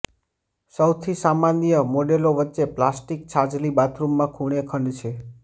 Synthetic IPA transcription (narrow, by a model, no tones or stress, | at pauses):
səwt̪ʰisamanijəmoɖeloʋətːʃeplasʈikt͡ʃʰad͡ʒlibat̪ʰɾumːãkʰuɽ̃ekʰəɳɖt͡ʃʰe